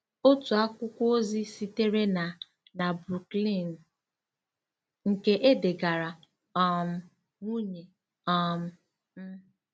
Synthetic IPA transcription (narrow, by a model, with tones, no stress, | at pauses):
o˦tu˨a˦kʷʊ˦kʷo˦zi˦si˦te˦ɾe˦na˨ | na˨bɾu˨kli˦˨n̩˨ | ŋ̩˨ke˦ʔe˦de˨ɡa˨ɾa˨ | ɔ˦˨m̩˦ | ŋu˦ɲe˨ | ɔ˦m̩˦ | m̩˦